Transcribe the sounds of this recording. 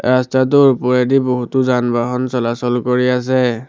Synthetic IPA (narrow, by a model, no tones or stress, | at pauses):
ɹastat̬ʊɹpɔɹedibɔɦutʊzanbaɦɔnsɔlasɔlkoɹias̬ɛ